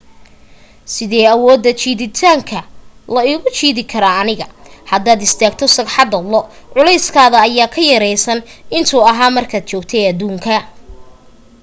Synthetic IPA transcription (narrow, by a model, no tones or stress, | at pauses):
sɪðɛːɐwɔːd̪ːɐt͡ʃiːðɪt̪ʰaːŋkʰɐlɐɪɣʊt͡ʃiːðɪkʰɐɾaːɐnɪɣɐhɐd̪aːd̪ɪst̪ʰaːɡt̪ʰɔsɐɡħɑd̪ɐlɔʕʊlɛjskʰaːðɐːjaːkʰɐjɐɾɛjsɐnɪnt̪ʰuːɐɦaːmɐrkʰaːd̪̥̚t͡ʃɔːɡt̪ʰɛjɐd̪uːŋkʰɐ